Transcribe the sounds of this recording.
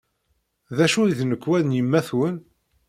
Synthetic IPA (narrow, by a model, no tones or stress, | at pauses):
ðæʃujðnəkːwænjəmːæθwən